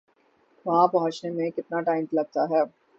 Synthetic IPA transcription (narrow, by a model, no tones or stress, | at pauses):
ʋɐɦãpɐɦɔ̃t͡ʃnemẽkɪt̪naʈaːɪmplɐɡ̚t̪aɦɛː